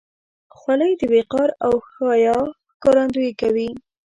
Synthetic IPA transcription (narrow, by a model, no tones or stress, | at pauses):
xwaləjd̪əbeqɑɾawxɑjɑ | kɑɾɑnd̪ujekawi